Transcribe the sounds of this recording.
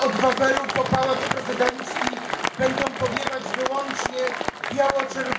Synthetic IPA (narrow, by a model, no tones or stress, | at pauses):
ɔd̪vavɛɾupɔpawat̪pɾɛzɘd̪ɛnt̪sʲibɛnd̪ɔ̃w̃pɔvʲjɛvad͡ʑvɘwɔnt͡ʂɲɛb̥ʲjawɔt͡ʂɛɾ